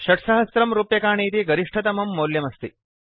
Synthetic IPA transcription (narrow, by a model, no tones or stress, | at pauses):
ʃɐʈsɐɦɐsɾɐmɾuːpjɐkaːɳiːt̪iɡɐɾiʂʈʰɐt̪ɐmɐmːoːljɐmɐst̪i